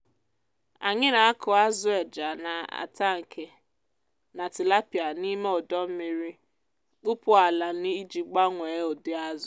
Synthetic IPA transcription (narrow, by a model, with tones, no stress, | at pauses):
a˨ɲɪ˦na˨a˦kʰʊ˨a˦zʊ˦e˨d͡ʒa˨na˨a̰˨ta˦ŋ̩˨kʰe˨ | na˨tɪ˨la˦pi˨a˨ni˦me˦ɔ˨dɔ˦m̩˦mɪ˦ɾi˦ | k͡pʊ˦pʊ˦a˨la˨˦nɪ˦i˦d͡ʒi˨ɡ͡ba˦ŋʷe˨˦o˨dɪ˦a˦zʊ˨